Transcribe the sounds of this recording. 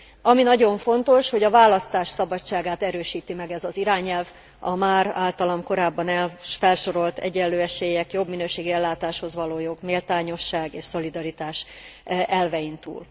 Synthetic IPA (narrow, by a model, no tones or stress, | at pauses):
ɒminɒɟo̞ɱfo̞nt̪o̞ʃho̞ɟɒvaːlɒst̪aːʃsɒbɒt͡ʃːaːɡaːt̪ɛɾøːʃiːt̪imɛɡɛzɒziɾaːɲɛlv | ɒmaːɾa̰ːlt̪ɒlomko̞ɾaːbːɒnɛlfɛlʃo̞ɾo̞lt̪ɛ̰ɟɛlːøːɛʃeːjɛkjo̞bminøːʃeːɡiɛlːaːt̪aːʃho̞zʋɒloːjo̞ɡmeːlt̪aːɲo̞ʃːaːɡeːʃso̞lid̪ɒɾit̪aːʃʔɛlvɛjint̪ṵːl